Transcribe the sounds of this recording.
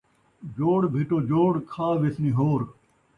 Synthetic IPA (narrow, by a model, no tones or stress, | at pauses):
d͡ʒoːɽbʱɪʈoːd͡ʒoːɽkʰaːʋɪsniːɦoːɾ